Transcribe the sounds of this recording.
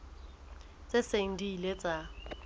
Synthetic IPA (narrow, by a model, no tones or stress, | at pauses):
t͡sʼeseŋ̩diːlet͡sʼa